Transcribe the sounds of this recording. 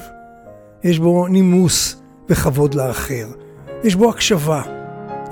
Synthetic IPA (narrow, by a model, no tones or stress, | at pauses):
jeʃbo̞nimus | v̥eχavo̞d̪leaχeʁ | jeʃbo̞akʃava